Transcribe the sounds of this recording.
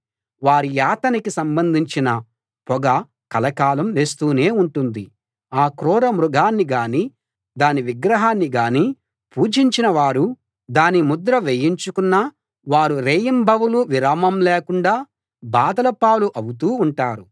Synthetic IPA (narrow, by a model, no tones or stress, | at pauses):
ʋaːɾijaːt̪ɐnikisɐmbɐnd̪ʱiɲt͡ʃinɐ | pɔɡɐ | kɐlɐkaːlɐmʋeːst̪uːne̞ːuɳʈund̪i | aːkɾɔːɾɐmɾuɡʱaːnːiɡaːni | d̪aːniʋiɡɾɐɦaːnːiɡaːni | puːd͡ʒiɲt͡ʃinɐʋaːɾu | d̪aːnimud̪ɾɐʋejiɲt͡ʃukunːɐ | ʋaːɾuɾeːjɐmbʱɐʋuluʋiɾaːmɐmleːkuɳɖaː | baːd̪ɐlɐpaːluʔɐwut̪uːɳʈaːɾu